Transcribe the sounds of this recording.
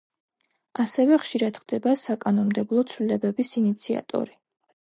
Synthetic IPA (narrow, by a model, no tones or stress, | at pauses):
asɛvɛχʃiɾad̪χd̪ɛbasakʼanɔmd̪ɛblˠɔt̪sʰvlilɛbɛbisinit̪sʰia̰t̪ʼɔ̰ɾi